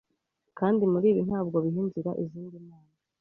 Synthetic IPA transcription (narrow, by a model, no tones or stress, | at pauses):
kaːndimuɾiːβin̥haːb̚ɡo̞βiɦiːnziɾa̰ʔiziːndimaːna